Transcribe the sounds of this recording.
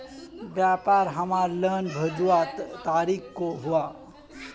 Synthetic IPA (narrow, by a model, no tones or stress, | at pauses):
bjaːpaːɾɦɐmaːɾləːnbʱɐd͡ʒuaːt̪t̪aːɾiːkkoɦʊaː